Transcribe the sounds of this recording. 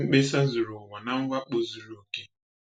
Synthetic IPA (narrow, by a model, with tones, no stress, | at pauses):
k͡pe˦sa˦zu˨ɾo˨wa˨na˦ŋ̩˦wʷa˦k͡po˦zu˨ɾo˨ke˦